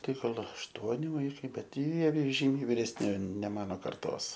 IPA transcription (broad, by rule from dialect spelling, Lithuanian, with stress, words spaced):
ˈtɐɪ ˈɡɐlˠ ɐʃˈtuɔnʲɪ ˈʋɐɪkɐɪ ˈbʲɛt ˈjiɛ ˈʒʲiːmʲɛɪ ʋʲiːrʲɛsʲˈnʲɪ nʲɛ ˈmɑːnoː ˈkɐrtoːs